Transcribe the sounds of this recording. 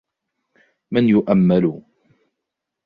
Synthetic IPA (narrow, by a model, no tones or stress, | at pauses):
manjʊʔamːalʊ